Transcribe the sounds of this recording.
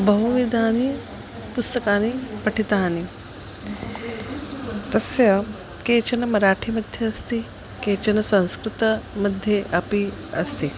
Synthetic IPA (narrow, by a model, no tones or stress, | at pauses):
bɐɦuʋid̪ʱaːni | pust̪ɐkaːnipɐʈʰit̪aːni | t̪ɐsjɐ | keːt͡ʃɐnɐmɐɾaːʈʰimɐd̪ʱjɐɐst̪i | keːt͡ʃɐnɐsɐ̃w̃skɾut̪ɐmɐd̪ʱjeʔɐpiɐst̪i